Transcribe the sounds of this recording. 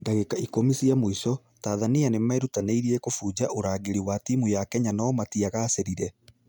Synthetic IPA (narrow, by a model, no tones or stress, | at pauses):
daɣekaikomisiamoisɔ | taːðanianemaeɾutaneiɾiɛkofuːd͡ʑaʔoɾaːɡeɾiwatimujakɛɲanɔmatiaɣaːseɾiɾɛ